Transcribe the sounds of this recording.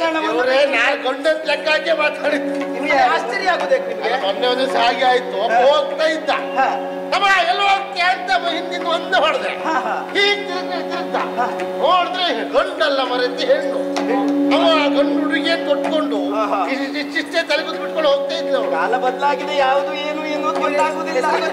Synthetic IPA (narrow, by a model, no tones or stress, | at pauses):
nɐmɐɾenaːnɡoɳɖɐnt̪lɐkːaːɡemaːt̪aːɽit̪ːnimɡeaːst͡ʃɛɾiaːɡoːd̪eknimːmɔnːeonesaːɡiaːjit̪ːuɐɦoːɡ̚t̪aːjid̪ːa̰ | ɐmɐɛlːok̪aːɾt̪ːamɐɦind̪ind̪uond̪eɦoːɽd̪ɾḛhiːɡt̪i | ɐːt̪aid̪a̰ɦoːɽd̪ɾeɡoɳɖɐlːɐmɐɾet̪eɦeːɭt̪u | ɐmɐaːɡoɳɖuɽiɡeːkoʈ̚koɳɖuiit͡ʃiʂʈet̪ɐlikut̪biʈkoɭɦoːɡ̚t̪aːjid̪ːeɐʋɐɽɐlːɐbɐd̪laːɡid̪ejaːʋd̪ueːnueːnund̪ɐɾaːɡoːd̪ilːa